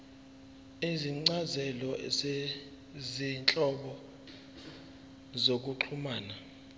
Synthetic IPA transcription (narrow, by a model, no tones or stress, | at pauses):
iziŋ͡ǀazɛlɔze | zint͡ɬʼɔɓɔ | zok̬uǃʰumaːna